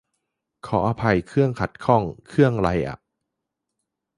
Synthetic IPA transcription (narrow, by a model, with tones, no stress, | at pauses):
kʰɔː˩˦ʔaː˧pʰa˧jkʰɯ˥˩əŋkʰa˨˩t̪̚kʰɔ˥˩ŋkʰɯ˥˩əŋɾa˧jʔa̰˨˩ʔ